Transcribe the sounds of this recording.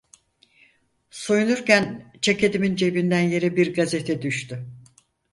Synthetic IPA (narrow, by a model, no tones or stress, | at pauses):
so̞junuɾcænt͡ʃʰaked̪imind͡ʒe̞bind̪ænje̞ɾɛbiɾɡaze̞t̪ʰɛd̪yʃt̪y